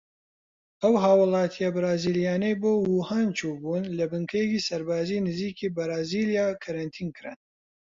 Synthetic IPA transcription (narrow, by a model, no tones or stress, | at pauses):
ʔɐwɦaːwɨlˠɑːt̪ʰijɐbɾaːziːljaːnejboːwuːhaːnt͡ʃʰuːbuːnlɐbɨŋkʰɐjɛkiːsɐɾbaːziːnɨziːkiːbɨɾaːziːljaːkʰɐɾɐnt̪ʰiːnkʰɨɾɨ̰n